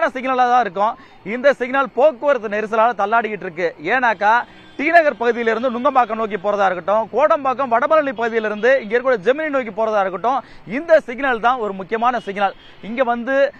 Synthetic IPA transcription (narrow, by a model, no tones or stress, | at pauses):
nɐsɪɡnaːlat̪ãːɪɾɯk̬ːʊ̃ | ɪnd̪ɐsɪɡnaːlpoːkːoɐɾɐt̪ːɯnɛɾɯs̬ɐlaːlɐt̪ɐlːaːɽɯjɪʈːɾɯkːɯeːnaːkːaː | t̪iːnɐɣɐɾpɐɣɯðɪjɪlɪɾɯnd̪ɯnʊŋɡɐmbaːk̬ːɐmnoːk̬ːipoːɾɐðaːɪɾɯkːɯʈːʊ̃koːɽɐmbaːkːɐmʋɐɽɐmɐlɐɳipːɐɣɯðɪjɪlɪɾɯnd̪ɯɪŋɡeːɾkːɽɐd͡ʒɛmɪninoːk̬ipoːɾɐðaːɪɾɯkːɯʈːʊ̃ɪnd̪ɐsɪɡnaːlt̪ãːɔɾɯmʊkːɪjɐmaːnɐsɪɡnaːɭ | ɪŋɡeːʋɐnd̪ɯ